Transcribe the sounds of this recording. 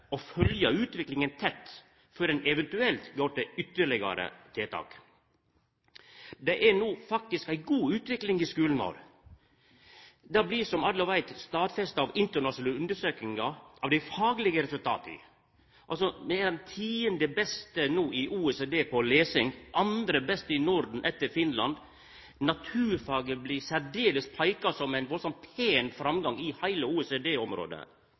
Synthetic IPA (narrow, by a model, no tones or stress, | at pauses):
ɔfœljəʉːt̪ʋɪklɪŋənt̪ʰɛt̪ː | fɔɾɛnɛʋɛnt̪ʉɛlt̪ɡoːʈɪʏt̪ːəɭɪɡɑ̰ɾə̰t̪ʰeːt̪ʰɑ̰ːk | d̪ɛʔæɾnuːfɑk̚t̪ɪskæɪɡuːʉːt̪ʋɪklɪŋɪskʉːlən̩ʋo̰ːɾ | d̪ɑːblisɔmɑlːɔʋæɪt̪st̪ɑːd̪fɛst̪ɑʋɪnt̪ənɑʂnːʉnd̪əʂøːkɪŋɑʔɑʋd̪æɪfɑːɡlɪɡəɾɛsʉlt̪ʰɑ̰ːt̪ɪ̰ | ʔɑlsɔmɛd̪t̪ʰiːənd̪ɛbɛst̪ənuːɪʔuːɛseːd̪eːpʰɔleːsɪŋʔɑnd̪ɾəbɛst̪əɪnɔɾd̪n̩ʔɛt̪ːəɾfɪnlɑnd̪ | nɑt̪ʰʉːɾfɑːɡəbliːsæɾɖeːləspʰɑɪkɑsɔmæɪnʋɔsɔn̚pʰeːnfɾɑmɡɑŋɪhæɪləuːɛseːd̪eːɔmɾo̰ːd̪ə̰